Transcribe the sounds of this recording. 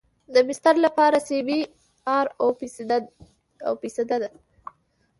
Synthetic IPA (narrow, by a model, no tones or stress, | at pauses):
d̪əmɪst̪aɾlapɑɾasewi | ɑɾo | a̰wpisad̪ad̪a